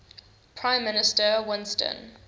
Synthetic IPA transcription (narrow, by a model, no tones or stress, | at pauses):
pʰɹãɪ̃mːɪnɪstəwɪ̃nstə̰̃n